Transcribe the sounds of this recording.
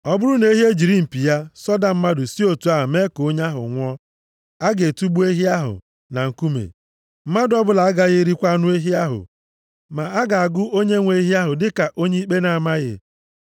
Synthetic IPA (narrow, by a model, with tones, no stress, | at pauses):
ɔ˦bʊ˦ɾʊ˦ne˦ɦje˦d͡ʒi˨ɾi˦m̩˨pi˨ja˦sɔ˦da˨m̩˦ma˦dʊ˨si˦o˨tu˨˦a˦ɦa˨me˦ko˦ɲ˦a˦ɦʊ̰˨ŋʷɔ˦ | a˦ɡe˨tu˦ɡ͡bu˦e˦ɦi˦a˦ɦʊ̰˨ | na˨ŋ̩˨ku˦mḛ˨ | m̩˦ma˦dʊ˦ɔ˦bʊ˦la˨a˦ɡa˨ɣɪ˦ɾi˦kʷa˦nʊ˦e˦ɦi˦a˦ɦʊ̰˨ | ma˨a˦ɡa˨a˨ɡʊ˦o˦ɲe˦ŋʷe˦ɦi˦a˦ɦʊ˨dɪ˦ka˨ʔo˦ɲe˦i˦k͡pe˦na˨a˨ma˦ɣɪ̰˨